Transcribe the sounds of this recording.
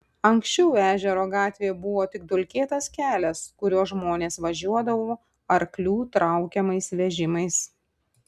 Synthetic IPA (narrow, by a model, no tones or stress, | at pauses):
ɐŋʲksʲt͡ʃʲɛʊæːʒʲɛɾoːɡɑːt̪ʲʋʲeːbʊʋoːt̪ʲɪɡ̚d̪ʊlʲkʲeːt̪ɐskʲæːlʲɛskʊɾʲuːsʒmoːnʲeːsʋɐʒʲuɔd̪ɐʋoː | ɐɾklʲuːt̪ɾɑˑʊkʲɛmɐɪsʋʲɛʒʲɪmɐɪs